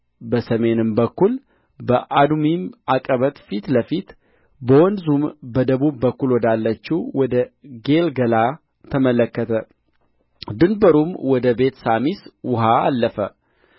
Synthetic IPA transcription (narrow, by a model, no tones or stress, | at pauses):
bəsəme̞nɨmbəkːul | bəʔad̪mimakʼəβət̪ʼfit̪ləfit̪ | bəwɔnzumbəd̪əβubbəkːulwɔd̪alːət͡ʃːiwwɔd̪əɡe̞lɡəla | t̪ʰəmələkːət̪ʰə | d̪ɨnbəɾumwɔd̪əbe̞t̪samiswʊɦaːlːəfə